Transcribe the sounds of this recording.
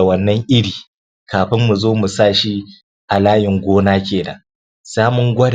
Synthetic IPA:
wɐ˨nːɐ˦ŋʔɪ˦ɽiː˨ | kʰaː˨ɸɪ˦mːu˨zoː˦mu˨sa˦˨ʃi˦ | ʔa˨laː˦jɪ˨ŋɡʷoː˦naː˦kʲeː˨na̰˨ | saː˦mʊ˦ŋɡʷɐ˦d

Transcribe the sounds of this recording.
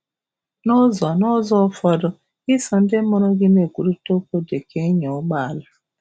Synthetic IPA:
nʊ˦zɔ˨nɔ˦zɔ˦fɔ˦dʊ˦ | ɪ˦sɔ˨n̩˦dɪ˦mɔ˦ɾɔ˦ɡɪ˦me˨kʷu˨ɾu˦to˦ko˦de˨kʰe˦ɲo˨˦ɡ͡ba˦a˨la˦

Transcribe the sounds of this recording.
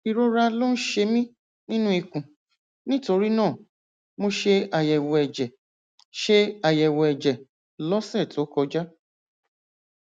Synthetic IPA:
i˧ɾo˦ɾa˧lo˦n̩˦ʃe˧mĩ˦ | nĩ˦nũ˦i˧kũ˨ | nĩ˦to˧ɾi˦nãː˦˨ | mo˧ʃe˧a˨jɛ˨wɔ˨ɛ˨d͡ʒɛ˨ | ʃe˧a˨jɛ˨wɔ˨ɛ˨d͡ʒɛ˨ | lɔ˦sɛ˦˨to˨˦kɔ˧d͡ʒa˦

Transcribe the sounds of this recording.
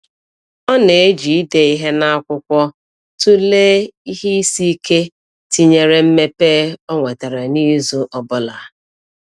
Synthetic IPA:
ɔ˦ne˨e˦d͡ʒi˨˦de˨i˦ɦe˦na˦a˦kʷʊ˦kʷɔ˦ | tu˦le˦i˦ɦi˦i˦si˦kʰe˦ | ti˦ɲe˨ɾe˦m̩˦me˦peː˦ɔ˦ŋʷe˨ta˨ɾe˨ni˦zu˦ʔɔ˨bʊ˦la˨

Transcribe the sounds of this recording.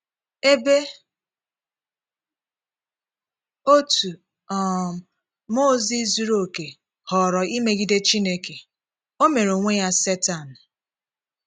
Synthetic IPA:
e˦be˦ | o˦tu˨ | ɔ˨ | mo˦zi˦zu˦ɾo˦˨ke˨ | hɔ˨ɾɔ˨i˦me˦ɡi˨de˦t͡ʃi˦ne˦ke˨ | o˦me˨ɾo˨ŋʷe˦ja˦se˦ta˨n̩˨

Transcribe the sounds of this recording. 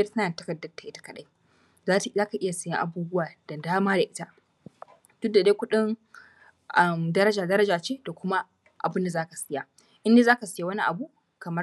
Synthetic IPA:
ɐ˦rsɐ˦naː˨tɐ̥˦kɐ˨dːɐ˨rtːa˨ʔɪ˦tḁ˦kɐ˨ɗa˦j | zaː˦tzaː˦ka˨ʔɪ˦ja˨sɐ˨jɪ̰˦ʔa˨buː˦bʊ˦waː˨d̥a˨daː˦maː˦da˨ʔɪ˦ta˦ | d̥ʊ˦da˨deː˦kʷʊ˦ɗɪ˦ŋ | ʔa˦˨mdɐ˦ɾɐ˦d͡ʒaː˨dɐ˦ɾɐ˦d͡ʒaː˨t͡ʃeː˦da˨kʷʊ˦ma˦ | ʔa̰˨bɪ˦nda˨zaː˦ka˨sɪ˦ja˨ | ʔɪ˦nde˦zaː˦ka˨sɪ˦ja˨wɐ˦ni˦ʔa̰˨bu˦ | kɐ˨mɐ˦

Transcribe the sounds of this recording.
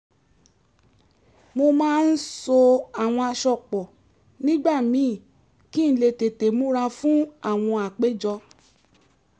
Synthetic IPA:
mo˧mãː˦n̩˦so˧a˨w̃ɔ̃˧a˧˨ʃɔ˨k͡pɔ˨ | nĩ˦ɡ͡ba˦˨mĩ˨˦˨ | ki˦n̩˦le˧te˨te˨mũ˦ɾa˧fũ˦a˦˨w̃ɔ̃˧a˨k͡pe˦d͡ʒɔ˧

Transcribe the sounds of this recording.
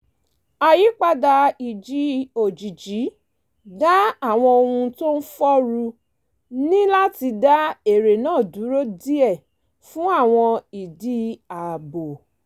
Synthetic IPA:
a˨ji˨˦k͡pa˧da˧i˨d͡ʒi˨˦o˨d͡ʒi˨d͡ʒi˨˦ | da˦a˦˨w̃ɔ̃˧o˧hũ˧to˦n̩˦fɔ˦ɾu˧ | nĩ˦la˦ti˧da˦e˨ɾe˨nãː˦˨du˨˦ɾo˦di˦ɛ˦˨ | fũ˦a˦˨w̃ɔ̃˧i˨di˨˦a˨bo˨

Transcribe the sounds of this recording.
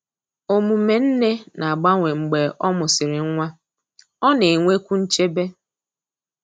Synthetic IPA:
o˨mu˨me˨n̩˦ne˦na˨a˨ɡ͡ba˦ŋʷe˨ŋ͡m̩˨ɡ͡be˨ʔɔ˦mʊ˨sɪ˨ɾɪ˨ŋ̩˦ŋʷa˦ | ɔ˦ne˨ŋʷe˦kʷu˦n̩˦t͡ʃe˦be˦

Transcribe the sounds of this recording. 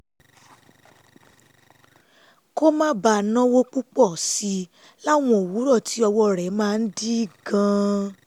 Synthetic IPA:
ko˦mã˦ba˧˨nã˦wo˦k͡pu˦k͡pɔ˦˨si˧ | la˦˨w̃ɔ̃˧˨o˨wu˨˦ɾɔ˦˨ti˨˦ɔ˧wɔ˧˦˨ɾɛ˨˦mãː˦˧n̩˦di˦˨ɡã˧

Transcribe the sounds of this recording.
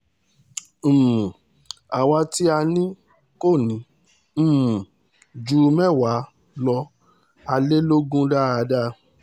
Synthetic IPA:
m̩̃ː˨ | a˨wa˧ti˦a˧nĩ˦ | ko˦˨nĩ˨˦ | m̩̃ː˨ | d͡ʒu˧˦mɛ˦˨wa˨˦ | lɔ˧ | a˧le˦lo˦ɡũ˦da˦˨a˨˧da˦

